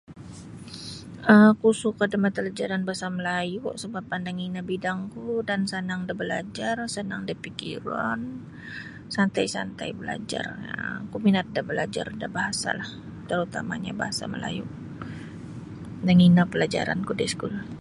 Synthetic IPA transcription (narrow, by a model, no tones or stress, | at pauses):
əkusukadəmat̪əlad͡ʒaɾanbaɦasaməlajuʔsəbap̚ːandaŋinabidaŋkudansənaŋdabəla̰d͡ʒarsənaŋdipikḭɾan | sant̪ajsa̰nt̪a̰jbəla̰d͡ʒa̰rəkuminat̪̚dabəlad͡ʒa̰rdabaɦasa̰lah | t̪əɾut̪ama̰ɲa̰baɦasa̰mə̰la̰jṵʔ | daŋinapəlad͡ʒa̰ɾa̰nkudisə̥kul